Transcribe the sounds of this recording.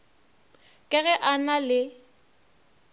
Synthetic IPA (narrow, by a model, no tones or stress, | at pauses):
kʼɛɣɛʔanalɪ